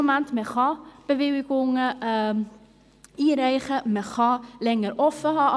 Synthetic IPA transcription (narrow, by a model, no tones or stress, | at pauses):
omæntmɛχɑb̥əviwkoŋəə | iɾɛjχəmɛχɑlɛŋəɾɔfəɦɑ